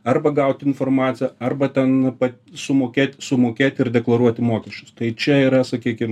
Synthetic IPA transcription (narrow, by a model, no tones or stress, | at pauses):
ɐrbɐɡɐʊt̪ʲɪnfoːrmɑːt̪t͡s̪ʲɪjɛɐrbɐt̪ʲɛnpɐtsʊmoːkʲeːt̪ʲsʊmoːkʲeːt̪ʲɪrd̪ʲɛklˠɐɾuɔt̪ʲɪmoːkʲɛʃʲt͡ʃʲʊst̪ɐɪt͡ʃʲɛiːɾɐsɐkʲiːkʲɪm